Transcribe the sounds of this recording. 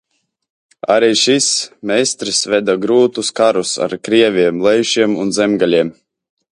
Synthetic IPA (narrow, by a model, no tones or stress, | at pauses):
a̰ɾiːʃismʲɛst̪ɾisvʲɛd̪aɡɾuːt̪uskaɾusa̰ɾkɾiɛvʲiɛmlˠɛjʃiɛmunzɛmɡalʲiɛm